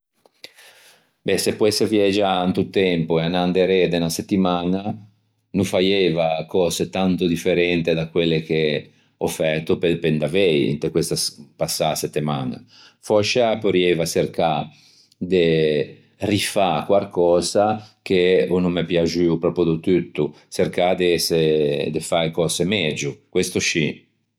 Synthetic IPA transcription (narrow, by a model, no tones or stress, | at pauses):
bɛsepoesevjɛd͡ʒaːnt̪ut̪ɛmpoeanand̪eɾed̪enaset̪ːimana | nufajevakɔːzet̪ant̪od̪ifeɾɛnt̪ed̪akwelːek̟e | ɔfɛt̪ːopepend̪avɛjḭnt̪ekwest̪apasːasɛt̪ːema̰na̰ | fɔʃapoɾjɛvaserka | d̪e | rifakwaɾkɔːzak̟eunumːepjad͡ʒyupɾɔpjud̪ut̪yt̪ːu | serkad̪esed̪efaekɔːzemɛd͡ʒukwest̪oʃi